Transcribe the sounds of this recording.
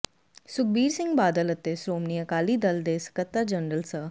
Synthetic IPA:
suk̚biːɾsiŋɡbaːd̪ələt̪ːesɾoːmnijəkaːliːd̪əld̪eskət̪ːad͡ʑəɳɾəlsə

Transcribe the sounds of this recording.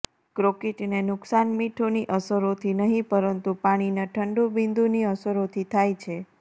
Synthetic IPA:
kɾokeʈnenʊksanmiʈʰoniʔəsəɾot̪ʰinəɦĩpəɾənt̪upaɽ̃inaʈʰəɳɖubind̪uniəsəɾot̪ʰit̪ʰajt͡ʃʰe

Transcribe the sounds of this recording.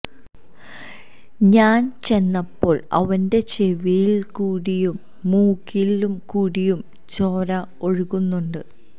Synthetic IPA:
ɲaːnt͡ɕe̞nːɐpːo̞ːɭɐ̰ʋɐnde̞t͡ɕe̞ʋijilkuːɽijumː | uːkilumkuːɽijum | t͡ɕo̞ːɾɐoɻuɣunːuɳɖɨ

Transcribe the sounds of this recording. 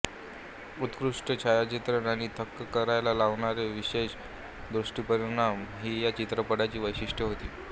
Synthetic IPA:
ut̪kɾuʂʈət͡ɕʰajat͡ɕit̪ɾənaɽ̃iːt̪ʰəkːəkəɾajlalaʋɳaɾeʋiɕeɕ | d̪ɾuʂʈiːpəɾiɳamɦiːjat͡ɕit̪ɾəpəɽat͡ɕiːʋəjɕiʂʈjəɦot̪ḭː

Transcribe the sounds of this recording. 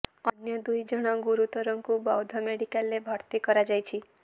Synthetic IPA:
ɔnjɔd̪ujd͡ʒɔɽ̃ɔɡuɾut̪ɔɾɔŋkubawd̪ʱɔmeɽikalːebʱɔɾt̪ikɔɾad͡ʒajt͡ʃʰi

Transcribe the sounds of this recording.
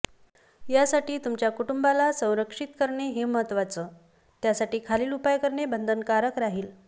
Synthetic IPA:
jasaʈiːt̪umt͡ɕjakuʈumbalasə̃w̃ɾəkʂit̪kəɾɳeɦeːməɦət̪ʋat͡səː | t̪jasaʈiːkʰaliːlupajkəɾɳebənd̪ʱənkaɾəkɾaɦiːl

